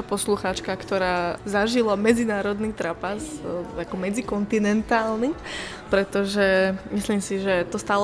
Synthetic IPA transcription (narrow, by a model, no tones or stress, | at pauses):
apɔsluxaːt͡ʃkakt̪ɔɾaːzaʒilamɛd͡zinaːɾɔd̪nit̪ɾapazakɔmɛd͡zikɔnt̪inɛnt̪aːlni | pɾɛt̪ɔʒɛmisliːmsiʒɛt̪ɔst̪aːl